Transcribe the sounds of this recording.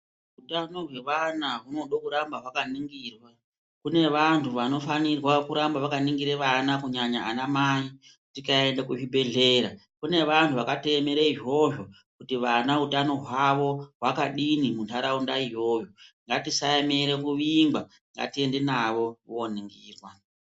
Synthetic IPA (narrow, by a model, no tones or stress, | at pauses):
ɦutano̞ɦwe̞ʋanaɦuno̞ɗokuɾambaɦwakaniŋɡiːrwa | kune̞ʋantʰuʋano̞fanirwakuɾambaʋakaniŋɡiɾeʋanakuɲaɲaʔanamai | kutikae̞ndekuʐibe̞ɮe̞ːɾa | kune̞ʋantʰuʋakate̞meɾeiʐo̞ʐo | kutiʋanautano̞ɦwaʋo̞ɦwakaɗinimuntʰaɾaundaiɦo̞ːjoŋɡatisaeme̞ɾekuʋimba | ŋɡa̰tiendenaʋo̞ʋo̞niŋɡiːrwa